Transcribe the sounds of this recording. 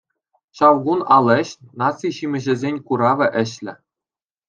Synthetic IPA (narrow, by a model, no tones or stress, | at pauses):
ɕɑʋɡunɑlʲˠɘ̆ɕnɑt͡sːiɕimʲɘ̆ʑɘ̆zʲenʲkuɾɑʋʲɘ̆ʔɘ̆ɕlʲɘ̆